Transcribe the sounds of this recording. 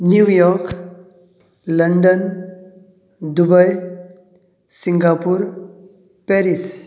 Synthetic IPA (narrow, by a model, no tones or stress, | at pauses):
njujɔɾk | ləɳɖən | d̪ubəj | siŋɡapuɾ | pɛɾis